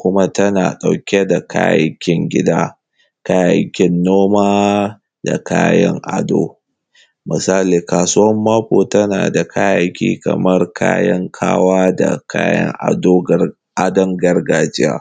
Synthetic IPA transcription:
kʷʊ˦ma˦tɐ˦naː˨ɗa˨wkʲe˦da˨kʰa̰ː˦ja̰˨jkʲɪ˦ŋɡʲɪ˦daː˦ | ka˦jɐ̰˨jkʲɪ˦nːoː˦maː˦ | da̰˨kʰaː˦jɐ̰˦ŋʔa˨do̰ː˦ | mɪ˨saː˦liː˨kaː˨sʊ˦ɐ˦mːaː˦ɸoː˨tɐ˦na̰ː˨da˨kʰaː˦ja˨jkʲḭː˦kɐ̰˨mɐ˦rkʰa̰ː˦jɐ˦ŋkʰa̰ː˦waː˦da̰˨kaː˦jɐ̰˦ŋʔa˨doː˦ | ʔa˨dɔ˦ŋɡɐ˦rɡaː˨d͡ʒɪ˦ja̰ː˦

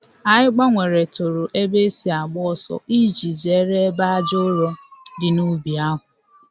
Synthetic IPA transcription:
a˨ɪ˦ɡ͡ba˦ŋʷe˨ɾe˨to˨ɾo˨ʔe˦be˦si˦a˨ɡ͡bɔ˦ɔ˦sɔ̰˨ʔi˦d͡ʒi˨ze˨˦ɾe˦e˦ba˦a˦d͡ʒo˦ɾɔ˦dɪ˨nu˦bi˨a˦ɦʊ˨

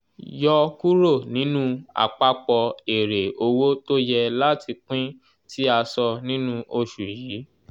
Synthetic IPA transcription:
jɔ˧ku˦ɾo˦˨nĩ˨˦nũ˦a̰˨k͡pa˧k͡pɔ˧e˨ɾe˨o˧wo˦to˦jɛ˧la˦tʰi˧k͡pĩ˦ | tʰi˦a˧sɔ˧nĩ˦nũ˦ʔo˧ʃu˨jiː˨˦

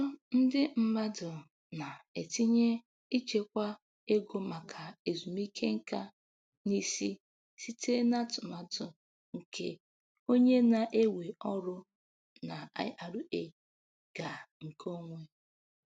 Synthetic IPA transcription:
n̩˦dɪ˦m̩˦ba˦dʊ˨ | na˨e˨ti˦ɲe˦ | i˦t͡ʃe˨kʷa˦ | e˦ɡo˦ma˨kʰa˨e˨zu˨mi˦kʰe˦ŋ̩˦ka˦ | ni˦si˦ | si˦te˦na˦tʊ˨ma˨tʊ˨ | ŋ̩˨kʰḛ˦ | o˦ɲe˦na˨ʔe˦we˨ɔ˦ɾʊ˦ | na˨a̰˦jʔa˨ɾʊ˨e˦ | ɡ̥a˨ŋ̩˨ko˦ŋʷe˦

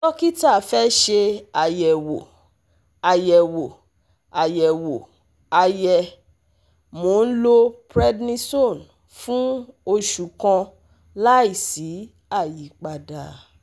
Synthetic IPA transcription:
tɔ˦ki˦ta˦˨fɛ˦ʃe˧a˨jɛ˨wo˨ | a˨jɛ˨wo˨ | a˨jɛ˨wo˨ | a˧jɛ˧˨ | mo˨˧n̩˦lo˦pɾɛ˦dnĩ˦so˦˨n | fũ˦o˧ʃu˨kã˧ | la˦i˦˨si˨˦ | a˦˨ji˨˦k͡pa˧da˨

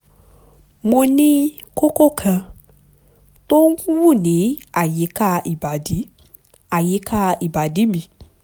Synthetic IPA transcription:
mo˧nĩ˦ko˦ko˦˨kʰã˧ | to˦n̩˦kũ˦wu˦˨nĩ˨˦a˦˨je˨˦ka˦˧i˨ba˨di˨˦ | a˨je˨˦kʰa˦˧i˨ba˨di˨˦bi˨

